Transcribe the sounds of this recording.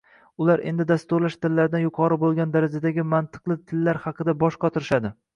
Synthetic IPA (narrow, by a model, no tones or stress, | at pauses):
ʊlaɾʔe̞̰nd̪ɪd̪ast̪ʊɾlaʃt̪ʰɪlːaɾd̪anjʊqʰɒɾɪbolˠɡʲand̪aɾad͡ʒad̪aɡʲɪmant̪ʰɨ̥qlˠɪt̪ʰɪlːaɾhɑqʰɨd̪abɒʃqʰɒt̪ʰɪɾɪʃad̪ɪ